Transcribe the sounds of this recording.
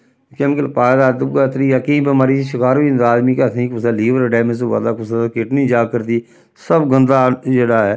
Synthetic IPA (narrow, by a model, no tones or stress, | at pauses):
keːmɪkəlpaːd̪aːd̪əbɡat̪ɾiːjaːkĩːbəmaːɾiːʃɪkaːɾʋiːnd̪aːzmiːkət̪ʰĩːkʊsaːliːʋəɾɖɛːmesoʋa̰ːd̪aːkʊsaːkɪʈnĩːd͡ʒaːkəɾt̪iː | səbɡənd̪aːd͡ʒeːɽaːɛː